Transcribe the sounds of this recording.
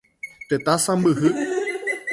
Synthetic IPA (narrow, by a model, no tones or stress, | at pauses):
t̪et̪asãmbɨɦɨ